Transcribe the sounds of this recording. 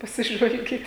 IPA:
pɐsʲɪˈʒʋɐlʲɡʲiːt

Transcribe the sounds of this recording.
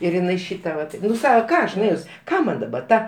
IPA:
ɪr ɪˈnɐɪ ˈʃʲiːtɐ ˈʋɐt ˈnʊ ˈsɑːkɐ ˈkɑː ɐʃ nʊˈeːjʊs ˈkɑː mɐn dɐˈbɐ ˈtɐ

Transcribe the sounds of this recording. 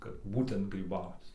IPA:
kɐt ˈbuːtʲɛnt ɡrʲiːˈbɐʊt͡s

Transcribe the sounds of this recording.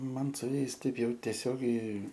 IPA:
ˈmɐn sʊ ˈjɛɪs ˈtɐɪp ˈjɛʊ tʲɛˈsʲoːɡʲɛɪ

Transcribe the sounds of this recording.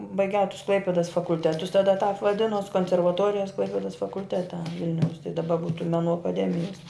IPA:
bɐɪˈɡʲɛʊ tʊs ˈklˠɐɪpʲɪdɐs fɐkʊlʲˈtʲæːtʊs tɐˈdɐ tɑːp ʋɐˈdʲɪnʊs koːnʲsʲɛrʋɐˈtoːrʲɪjɛs ˈklˠɐɪpʲeːdɐs fɐkʊlʲˈtʲæːtʲɛ ˈʋʲɪlʲnʲɛʊs tɐɪ dɐˈbɐ ˈbuːtʊ mʲɛˈnuː ɐkɐˈdʲæːmʲɪjɛs

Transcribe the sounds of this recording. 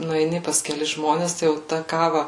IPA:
nʊɛɪˈnʲɪ pɐs kʲɛˈlʲɪs ˈʒmoːnʲɛs tɐɪ jɛʊ ˈtɐ ˈkɑːʋɐ

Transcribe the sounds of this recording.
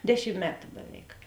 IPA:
ˈdʲæːˌʃʲɪm ˈmʲæːtʊ bʲɛˈʋʲɛɪk

